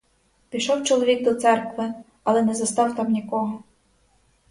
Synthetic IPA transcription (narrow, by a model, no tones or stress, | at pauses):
pʲiʃɔwt͡ʃɔlˠɔʋʲiɡ̚d̪ɔt̪sɛrkʋɪ | ɐlˠɛnɛzɐst̪ɑwt̪ɑmnʲikɔɦɔ